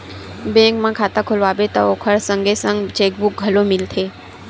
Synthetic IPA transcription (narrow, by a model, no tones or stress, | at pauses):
bẽŋkmãkʰaːt̪akʰolʋaːbet̪ə̰okʰəɽsə̃ŋɡesə̃ŋɡt͡ʃeːk̚buk̚ɡʱəlomilt̪ʰeː